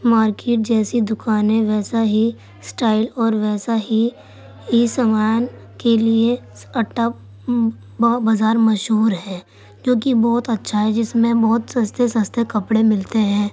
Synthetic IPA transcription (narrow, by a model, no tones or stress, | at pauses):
maːɾkeːʈ̚d͡ʒɛːsid̪ʊkaːnẽʋɛːsaɦi | sʈaːɪlɔːɾʋɛːsaɦi | isəmaːn | kelie | ɐʈːa | bazaːɾmɐʃɦuːɾɦɛ̃ː | d͡ʒoːkibɔːt̪ɐtːʃʰaɦɛd͡ʒɪsmẽbɔːt̪sɐ̃st̪ʰesɐ̃st̪ʰekɐpɽemɪlt̪eɦɛ̃ː